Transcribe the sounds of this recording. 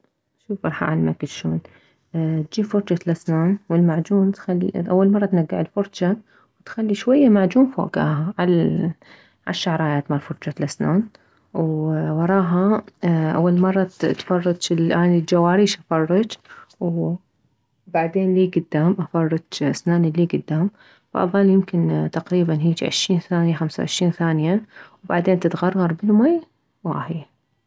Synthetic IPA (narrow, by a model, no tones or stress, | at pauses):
ʃuːfʔɑɾˤħa̰ʕalmakɪt̪ʃoːn | t̪̚d͡ʒiːfʊɾˤd͡ʒat̪lʔasnaːnwɪlmaʕd͡ʒuːnt̪xal̰ːʔawːalmɑrˤːɑt̪naɡːɪʕɪlfʊɾˤd͡ʒa | wt̪xalːiʃwajːamaʕd͡ʒuːnfo̰ːɡa̰ːɦaʕal | ʕa̰ʃːaʕɾˤɑːjaːt̪mɑɾˤfʊɾˤd͡ʒalʔasnaːn | wwɑɾˤɑːɦaʔa̰wːalmɑrˤːɑt̪fɑrˤːɑt͡ʃɪlʔaːnild͡ʒawaːɾiːʃʔafɑrˤːɑd͡ʒw | baʕd̪eːnliːɡʊd̪ːaːmʔafɑrˤːɑd͡ʒasnaːniliːɡʊd̪ːaːm | ba̰ʔðˤɑljɪmkɪnt̪aqɾiːbanɦiːd͡ʒʕɪ̰ʃːiːnθaːnjaxamsa̰ʕɪ̰ʃɾiːnθaːnjawbaʕd̪eːnt̪ɪt̪ɣɑrˤːɑɾˤbɪlmaj | wa̰ħj